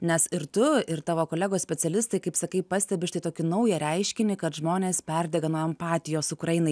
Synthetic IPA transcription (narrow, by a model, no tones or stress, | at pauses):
nʲɛsɪɾt̪ʊɪɾt̪ɑːʋoːkoːlʲæːɡoːsʲpʲɛsʲɛlʲɪst̪ɐɪkɐɪpsɐkɐɪpɐsʲt̪ʲɛbʲɪʃt̪ʲɪt̪oːkʲɪnɐʊjɛɾʲɛɪʃʲkʲɪnʲɪkɐt̪ʒmoːnʲeːspʲɛɾʲd̪ʲɛɡɐnuːɛmpɑːt̪ʲɪjoːsʊkɾɐjɪnɐɪ